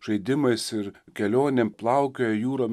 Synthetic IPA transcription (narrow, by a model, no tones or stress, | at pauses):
ʒ̥ɐɪd̪ʲɪmɐɪsɪɾkʲɛlʲoːnʲemplˠɐʊkʲoːjɛjuːɾoːm